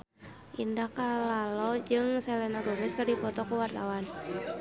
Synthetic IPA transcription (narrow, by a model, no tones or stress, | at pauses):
ʔindahkalalɔd͡ʒɨŋsɛlɛnaɡomɛskərdipɔt̪ɔkuwart̪awan